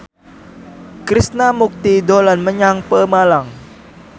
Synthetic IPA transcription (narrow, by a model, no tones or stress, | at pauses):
kɾisnamuk̚t̪idolanməɲaŋpəmalaŋ